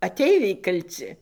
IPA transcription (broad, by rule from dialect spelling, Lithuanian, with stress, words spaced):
ɐˈtʲɛɪʋʲɛɪ kɐlʲˈt͡sʲɪ